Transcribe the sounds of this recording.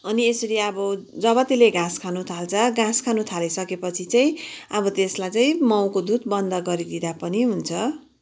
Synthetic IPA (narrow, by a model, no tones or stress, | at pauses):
ʌniesʌɾiʌbʌ | d͡zʌβʌt̪ileɡãskʰanut̪ʰalt͡sʰʌɡãskʰanut̪ʰalisʌkepʌt͡sʰit͡saj̃ʌbʌt̪eslajt͡saĩmʌw̃kod̪ud̪̚bʌnd̪ʌɡʌɾid̪id̪apʌniɦunt͡sʰʌ